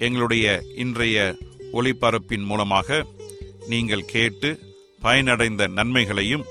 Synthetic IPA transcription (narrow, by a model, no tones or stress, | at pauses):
ɛŋɡɐɭɯɽɐjɐʔɪndrɐjɐʔɔɭɪpːɐɾɯpːɪnmuːlɐmaːɣɐniːŋɡɐɭkʰeːʈːɯ | pɐjɐnɐɽɐɪnd̪ɐnɐnmɐɪɣɐɭɐjɯm